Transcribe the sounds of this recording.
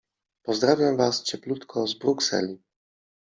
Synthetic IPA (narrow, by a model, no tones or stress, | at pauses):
pɔzd̪ɾavʲjamvast͡ɕɛplut̪kʰɔzbɾuksɛ̰lʲi